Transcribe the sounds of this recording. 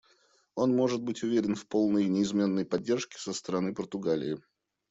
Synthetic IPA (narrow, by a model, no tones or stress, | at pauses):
o̞nmo̞ʐɨt̪̚bɨtʲʊvʲeɾʲɪnfpo̞lˠnəjnʲɪɪzmʲe̞nːəjpɐdʲːe̞rʂkʲɪ̥səst̪əɾɐnɨpərt̪ʊɡalʲɪ̰ɪ